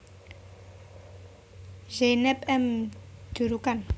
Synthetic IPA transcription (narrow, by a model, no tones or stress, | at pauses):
ʒenɛpɛmd̥uɾukan